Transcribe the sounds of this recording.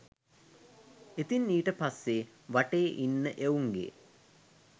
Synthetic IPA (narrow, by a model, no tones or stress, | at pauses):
et̪inːiːʈəpasːe | ʋaʈeːʔinːəʔeuŋɡḛ